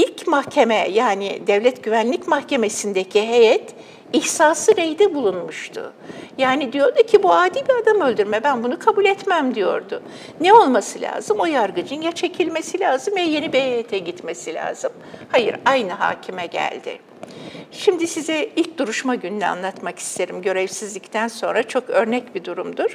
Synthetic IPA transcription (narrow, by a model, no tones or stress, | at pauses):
ilʲcmahcʰe̞mɛjaːnḭd̪ɛvlʲɛt̪ɟ̥yvænlʲicmahcʰe̞me̞sind̪ecʰiɦejɛt̪ | içsaːsɯɾejd̪ɛbulˠunmuʃt̪ʰʊ̰ | jaːnid̪ijo̞ɾd̪ucʰibuaːd̪iːbiad̪amø̞lʲd̪yɾmɛbænbunukʰabulʲɛt̪mæmd̪ijo̞̰ɾd̪ʊ | nɛo̞lˠmasɯlʲa̰ːzɯmo̞jaɾɡɯd͡ʒɯnjat͡ʃʰe̞cʰilʲme̞silʲaːzɯmvɛje̞nibihejɛt̪ʰɛɟit̪me̞silʲa̰ːzɯm | hajɯ̰ɾajnɯɦa̰ːcʰimɛɟæ̰lʲd̪ɪ̰ | ʃimd̪isizɛilʲc̚d̪̥uɾuʃmaɟynylʲɛa̰nlˠat̪maki̥st̪ʰe̞ɾimɟø̞ɾevsizlʲict̪ʰænso̞nɾat͡ʃʰo̞kø̞ɾnɛcbid̪uɾumd̪uɾ̥